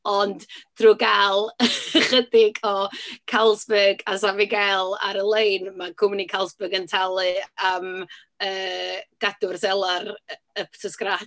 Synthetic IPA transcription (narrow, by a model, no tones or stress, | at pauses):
ɔndd̥ruːɡalˠχədɪɡɔkʰalˠsbɛɡasavɪɡɛlˠa̰ɾəlˠejnmaɡʰʊmnikʰalˠsb̥əɡəntʰalˠɨam | əːɡ̥adʊrsɛlˠar | əpʰtʰəskra